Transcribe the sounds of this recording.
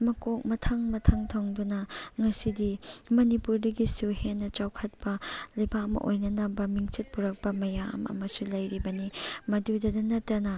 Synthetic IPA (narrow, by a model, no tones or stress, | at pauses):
mɐkok̚mɐtʰɐŋmɐtʰɐŋtʰɐŋdunɐŋɐsidimɐnipuɾdɐɡisuhenːɐt͡ʃawkʰɐt̚pɐlɐjbakɐmɐ̰ʔo̰jnɐnɐbɐmiŋt͡ʃit̚puɾɐk̚pɐmɐja̰mɐ̰mɐsulɐjɾibɐnimɐdudɐdɐnɐtːɐnɐ